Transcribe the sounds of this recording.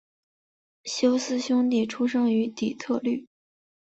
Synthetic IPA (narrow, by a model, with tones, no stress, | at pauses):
ɕjo˥ʊsɹ̩˥ɕjʊ˥ŋt̪i˥˩ʈ͡ʂʰu˥ʂɤ˥ŋy˧˥t̪i˨˩t͡s̪ʰɤ˥˧ly˥˩